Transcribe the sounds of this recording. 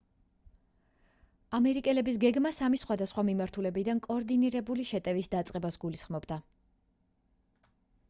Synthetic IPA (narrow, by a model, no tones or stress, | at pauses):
amɛɾikʼɛlɛbis̬ɡɛɡmasamisχwad̪asχwamimaɾt̪ʰulɛbid̪ankʼɔːɾd̪iniɾɛbuliʃɛt̪ʼɛvisd̪at̪sʼqʼɛbasɡulisχmɔbd̪a